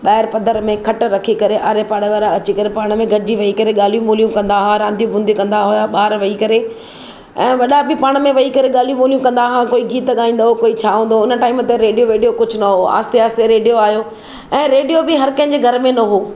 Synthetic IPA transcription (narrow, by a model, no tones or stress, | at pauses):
ɓɛːɪɾpɐd̪ʱəɾmẽkʰɐʈɾɐkʰikɐɾeʔaːɾepaːɽeʋaːɾaɐt͡ɕikɐɾepaːɽ̃mẽɡʱɐɽɪd͡ʑiʋɐikɐɾeɠaːlijũmoːlijũkɐ̃nd̪aɦaɾãːnd̪ijũbʱʊ̃nd̪ʱikɐ̃nd̪aɦʊjaɓaːɾʋɐikɐɾe | ɛ̃ːʋɐɗabʱɪpaːɽ̃mẽʋɐikɐɾeɠaːlijũmoːljũkɐ̃nd̪aɦãkoːiɡiːt̪ɠaːĩːnd̪ɦokoːit͡ɕʰaːɦũːnd̪oʊnəʈaːɪmt̪eɾeːɖijoɾeːɖijokʊd͡ʑʱʊnɐɦoa̰ːst̪eaːst̪eɾeːɖijoaːɦijoː | ɛ̃ːɾeːɖijobɪɦɐɾkɐ̃ɦɪ̃ɲ̆d͡ʑeːɡʱɐɾmẽnɐɦoː